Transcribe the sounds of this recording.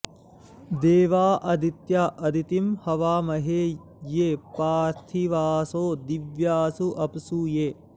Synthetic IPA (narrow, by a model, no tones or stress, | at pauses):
d̪eːʋaːʔɐd̪ʱit̪jaʔɐd̪ʱit̪imhɐʋaːmɐɦeː | jeːpaːɾt̪ʰiʋaːsoːd̪iʋjaːsuʔɐpsuːjeː